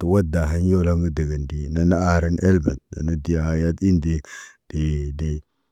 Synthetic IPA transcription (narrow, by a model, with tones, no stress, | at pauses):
tə˨wa˦da˨ɦa˦n˦jo˦la˦ŋɡə˦də˨ɡə˨ndi˨na˨na˦a˦˨ɾə˦ne˦lba˨nna̰˨nə˦di˦ja˨ha˨ja˦ti˦ndi˦d̥i˨di˦